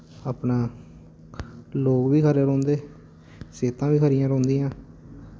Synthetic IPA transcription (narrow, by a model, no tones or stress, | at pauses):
aːpnãː | loːkʋiːkʰəɾeːɾõːnd̪eː | seːt̪ãːʋiːkʰəɾijãːɾõːnd̪ĩːãː